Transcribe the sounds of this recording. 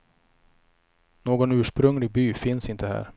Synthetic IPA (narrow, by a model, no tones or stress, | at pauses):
noːɡɔnʉ̟ːʂpɾɵŋlɪɡ̚byːfɪnsɪnt̪əɦæ̰ːɾ